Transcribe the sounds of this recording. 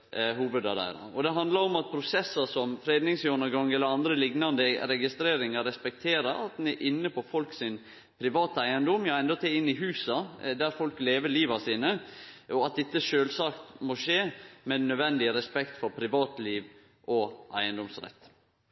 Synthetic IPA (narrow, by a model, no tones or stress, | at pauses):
ɦuːʋəd̪ɑɾæ̰ɪɾɑ̰ɔd̪ɛɦɑnd̪lɑɾɔmɑt̪̚pʰɾʊsɛsːəsɔmfɾeːd̪nɪŋsjøːɳəɡɑŋːɛlːəɾɑnd̪ɾəlɪɡnɑnd̪əɾɛɡɪst̪ɾeːɾɪŋɑɾɛspɛk̚t̪ʰeːɾəɾɑ̰t̪̚d̪nɛɾʔɪnːəpʰɔfɔlksɪn | pʰɾɪʋɑːt̪æɪənd̪ɔmjɑɛnd̪ɔt̪ʰeɪnːɪɦʉːsɑd̪æɾfɔlkleːʋəɭiːʋɑsiːnəʔɔɑt̪̚d̪ɪt̪ːəʂøːlsɑːkt̪mɔʂeːmɛnœʋɛnd̪ɪəɾɛspɛkt̪fɔɾpʰɾɪʋɑːt̪liːʋ | ʔɔʔæɪənd̪ɔmsɾɛ̰t̪ː